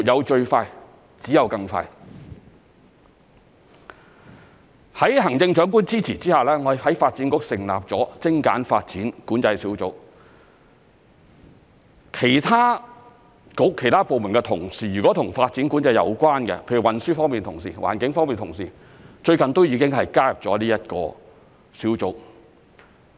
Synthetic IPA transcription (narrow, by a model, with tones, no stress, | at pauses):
jɐ˨˧wt͡ʃɵ˧ɥfaː˧j | t͡siː˨˥jɐ˨˧wkɐ˧ŋfa̰ː˧j | hɐ˨˥jɦɐ˨˩ŋt͡sɪ˧ŋt͡ʃœː˨˥ŋk̬uː˥nt͡siː˥t͡sʰiː˨˩t͡siː˥haː˨˩lɛː˥ŋɔ˨˧˨hɐ˨˥jfaː˧t̚t͡siː˨˥nkʊ˧˥k̚sɪ˨˩ŋlaː˨p̚t͡sɔː˨˥t͡sɪ˥ŋka̰ː˨˥nfaː˧t̚t͡siː˨˥nkuː˨˥nt͡sɐ˧jsiː˨˥wt͡sʊ̰˨˥k̚ | kʰe˨˩jt̪ʰaː˥ | kʊ˨˥kʰːe˨˩jt̪ʰaː˥po˨wmu˨˩nkɛ˧t̪ʰʊ˨˩ŋsiː˨˩jyː˨˩kʷɔ˨˥t̪ʰʊ˨˩ŋfaː˧t̚t͡si˨˥nkuː˨˥nt͡sɐ˧jɐ̰˧wkʷwaː˥nkɛ̰˧pʰe˧jy˨˩wɐ˨nsyː˥fɔː˥ŋmpiː˨nt̪ʰʊ˨˩ŋsiː˨˩wʔa̰ː˨˩nkɪ˨˥ŋfɔː˥ŋmiː˨nt̪ʰʊ˨˩ŋsiː˨˩ | t͡ʃɵ˧ɥkɐ˨nt̪o˥wjiː˨˧kɪ˥ŋɦɐ˨jkaː˥jɐ˨p̚t͡sɔ̰ː˨˥liː˥jɐ˥t̚kɔː˧ | siː˨˥wt͡sʊ˨˧˥k̚